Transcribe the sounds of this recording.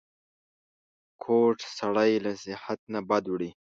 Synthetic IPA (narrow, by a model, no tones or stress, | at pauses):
kʰoʈsaɽajlasɪhat̪̚nabad̪wɽi